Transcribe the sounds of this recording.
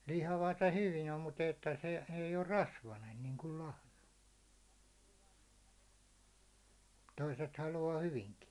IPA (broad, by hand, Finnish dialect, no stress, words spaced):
lihɑʋɑt o hyʋijæ mut etːæ se ei or rɑsʋɑnen niːŋkul lɑhnɑ toiset hɑluɑː hyʋiŋki